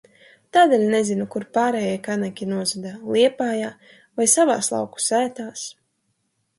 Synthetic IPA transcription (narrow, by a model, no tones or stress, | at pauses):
t̪aːd̪eːlʲnɛzinukuɾpaːɾɛːjɛjkanakʲinuɔzad̪alˠiɛpaːjaː | vajsava̰ːslˠa̰wku̥sæːt̪aːs